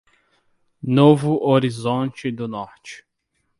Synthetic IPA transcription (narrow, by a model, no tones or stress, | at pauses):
novʊʔoɾizõnt͡ʃɪd̪ʊnɔɾt͡ʃɪ̥